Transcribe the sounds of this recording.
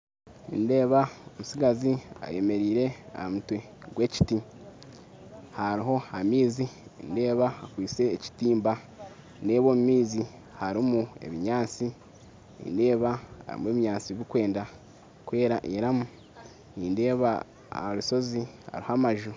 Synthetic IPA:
ḭnde̞ːβaomusiɡazia̰je̞me̞ɾiːɾe̞a̰hamutwe | ɡwe̞ːci̥ti | haɾiɦo̞hamiːziinde̞ːβaakwiːt͡se̞ːci̥tiːmba | nde̞ːβoːmumiːzi | haɾimue̞̰βiɲaːt͡si | nḭnde̞ːβaha̰ɾḭmweːβiɲaːt͡siβikwe̞ːnda | kwe̞ːɾaʔiɾamu | ninde̞ːβa | a̰aβuso̞ziha̰ɾihamaʒu

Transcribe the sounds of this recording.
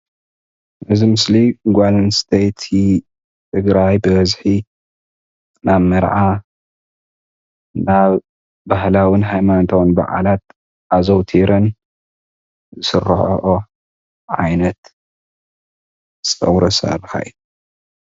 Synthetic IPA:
ʔɨzimɨsliɡʷalnst̪ʰejt̪ʰi | t̪ʰɨɡɾajbɨβɐzħi | naβmɐɾʕa | naβ | bahlawɨnɦajmant̪ʰownba̰ʕa̰lat̪̚ | ʔazowt̪ʰiɾɐn | zɨsɨrːħo̰ʔo | ʕajnɐt̪ | sʼɐ̰wɾɐsa̰rɨxa̰ʔi

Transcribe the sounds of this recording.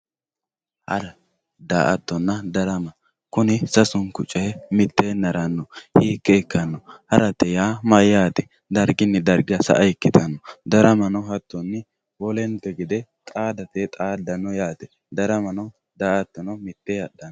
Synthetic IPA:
hɐ̰ɾɐ | d̪aːʔɐt̪ːɔnːɐd̪ɐɾɐmɐ | kʊnɪsɐsʊnkʊt͡ʃʼɛɛmɪt̪ːeːnːɐɾɐnːɔhiːkːɛːkːɐnːɔhɐɾɐt̪ːɛjaːmɐjːaːt̪ɛ̥ | d̪ɐɾɡɪnːɪd̪ɐɾɡɪjɐsɐ̰ʔɐɪkːɪt̪ʰɐnːɔd̪ɐɾɐmɐnɔɦɐt̪ːɔnːɪ | wɔlɛnt̪ːɛɡɪd̪ɛt̪ʼaːd̪ɐt̪et̪ʼaːd̪ɐnɔjaːt̪ɛ̥ | d̪ɐɾɐmɐnɐ | d̪aːʔɐt̪ːɔnɔmɪt̪ːehɐɗːɐnː

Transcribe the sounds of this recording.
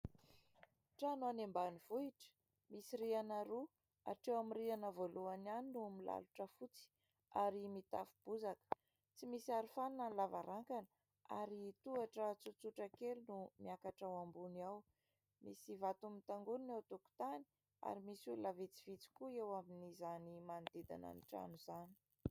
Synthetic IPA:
ʈ͡ʂanoanembaniv̥uiʈ͡ʂə̥ | misiɾianaɾu | a̰ʈ͡ʂewamirianəvoluananinumila̰luʈ͡ʂəfut͡si̥ | aɾimit̪a̰fub̥uzakə̥ | t͡simisiaɾifanunanlavaɾaŋkanə | a̰ɾit̪uaʈ͡ʂət͡sut͡suʈ͡ʂakelinumiakaʈ͡ʂawambunaw | misivat̪umit̪aŋɡuninawt̪uku̥t̪ani̥ | a̰ɾimisullavet͡si̥v̥it͡si̥kuewaminizanimand̪̥ed̪a̰na̰niʈ͡ʂa̰nuzani̥

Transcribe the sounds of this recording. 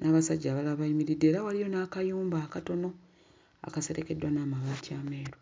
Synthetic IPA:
nʔaːβasaɟːaːβalaβaimiɾidːe̞ːɾawalijo̞naːkajuːmbaːkato̞no̞ | a̰kase̞ɾe̞ke̞dwanaːmaβaːtiame̞ːɾo

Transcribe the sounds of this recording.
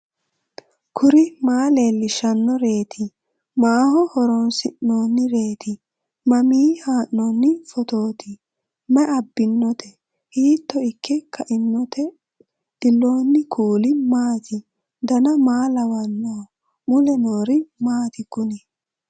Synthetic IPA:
kʰʊɾɪmaːleːlːɪʃɐnːɔɾe̞ːt̪ʰɪ | maːhɔhɔɾonsɪʔːoːnːɪɾe̞ːt̪ɪ | mɐmiːhaːʔoːnːɪfɔt̪oːt̪ɪ | mɛʔɐbːɪnːɔt̪ɛ | hiːt̪ːɔɪkːɛkʰɐʔɪnːɔt̪ʰɛ | ɗɪlːo̞ːnːɪkʰuːlɪmaːt̪ʰɪ | d̪ɐnɐmaːlɐwɐnːoː | mʊlɛnoːɾɪmaːt̪ɪkʊnɛ

